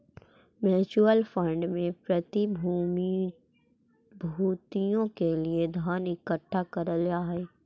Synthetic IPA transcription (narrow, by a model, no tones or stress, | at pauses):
mɛːt͡ʃuəlfə̃ɳɖmẽpɾɐt̪im | bʱuːt̪ijõkelied̪ʱaːnɪkəʈʰːakɐɾəljaːɦɛː